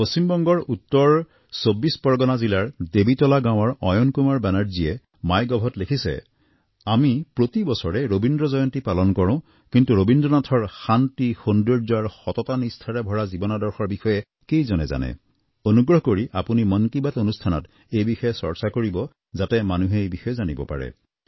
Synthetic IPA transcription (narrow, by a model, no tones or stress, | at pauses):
posimbɔŋɡɔɹutːɔɹ | sobːispɔɹɡɔnazilaɹdebitɔlaɡãw̃ɔɹɔjɔnkumaɹbɛnaɹzijɛ | majɡɔbʱɔtlekʰisɛ̰ | amipɹotibɔsɔɹɛɹobindɹɔzɔjɔntipalɔnkɔɹɔ̃ʊ̃ | kintuɹobindɹɔnatʰɔɹxantixondɔɹzaɹxɔtɔtanistʰaɹɛbʱɔɹazibɔnɔdɔɹxɔɹbixɔjɛ | kejzɔnɛ̰za̰nɛ̰ | onuɡɹɔɦkoɹiʔapunimɔnkibatonustʰanɔ̰t | ejbixɔjɛsɔɹsakoɹibɔ | zatɛmanuɦɛejbixɔjɛzanibɔ̰pa̰ɹɛ̰